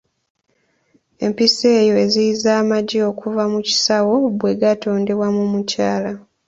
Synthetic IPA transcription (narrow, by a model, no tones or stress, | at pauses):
e̞̰mpise̞ːjo̞e̞ziizaːmaɟio̞kʰuvamuci̥sawo̞bwe̞ɡato̞ːnde̞wamumucaːla